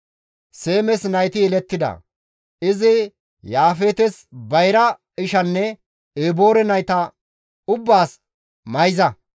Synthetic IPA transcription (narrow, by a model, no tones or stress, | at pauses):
se̞ːmɛsnɐjt̪ɪjɛlɛt̪ːɪd̪ɐ̰ | ɪzɪ | jaːfeːt̪ɛsbɐjɾɐ | ɪʃɐnːɛ | eːbo̞ːɾɛnɐjt̪ɐ | ʊbːaːs | mɐjzɐ